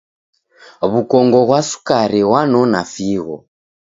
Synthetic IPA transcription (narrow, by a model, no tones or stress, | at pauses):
βukɔŋɡɔɣwasu̥kaɾiwanɔnafiɣɔ̰